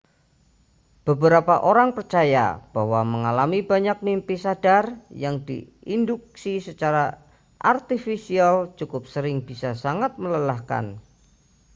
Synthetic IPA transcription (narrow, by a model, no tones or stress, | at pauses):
b̥əbəɾapaʔoɾaŋpərt͡ʃaja̰b̥aɦwaməŋalamibaɲak̚mimpisadarjaŋdḭinduk̚sisət͡ʃaɾa | ʔart̪ifisialt͡ʃukʊp̚səɾɪŋbisasaŋat̪̚mələlahka̰n